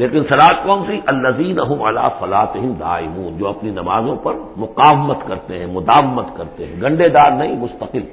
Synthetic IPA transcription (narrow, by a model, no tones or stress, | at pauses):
leːkɪnsɐlaːt̪̚kɔːnsiʔɐlːɐziːnɐɦʊmɐla̰ːsɐlaːt̪ɪɦɪmd̪a̰ːɪmũːnd͡ʒoːɐpninɐmaːzõpɐɾmʊqaːʋmət̪kɐɾt̪eɦɛ̃mʊd̪aːʋɪmət̪kɐɾt̪eɦɛ̃ɡɐ̃ɳɖed̪aːɾnɐɦĩmʊst̪ɐqɪl